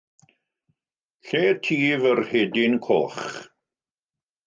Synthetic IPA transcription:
ɬeːtʰiːvərhedɪnkʰɔ̰ːχ

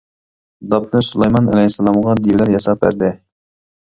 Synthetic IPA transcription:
d̪ɑp̚nɨsulˠɑjmɑnɛlɛjsːɛlˠɑmʁɑd̪iwlæɾjɑsɑp̚bæ̰ɾd̪ɪ

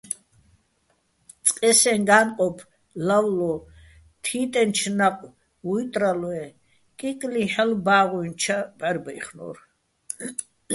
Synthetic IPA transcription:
t͡sʼqʼɛsɛŋɡaːnqʼɔpʰ | lawlɔ | t̪ʰiːt̪ʼɛnt͡ʃʰnaqʼw | ujt̪ʼɾalwɛ | kʼikʼliħɛlbaːʁuint͡ʃʰabɛɾbɛjχnɔ̰ɾ

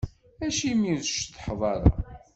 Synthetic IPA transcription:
æʃimiðʃθħðˤɑɾˤɑ̰

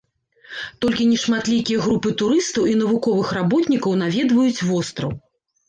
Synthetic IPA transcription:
t̪ɔlʲkʲinʲɛʂmat̪lʲikʲijɐɣɾupɨt̪uɾɨst̪ɐwin̪ɐvukɔvɨxrabɔt̪nʲikɐwn̪avʲɛd̪vɐjut͡sʲvɔst̪ɾɐ̰w

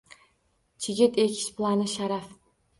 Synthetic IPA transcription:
t͡ʃʰɪɡʲɪt̪ekʲʰɪ̥ʃplˠanɪʃaɾaf

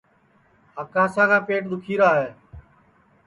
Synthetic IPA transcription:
əkãːsãːkʰaːpeːʈd̪ʊkʰiːɾaːɦeː

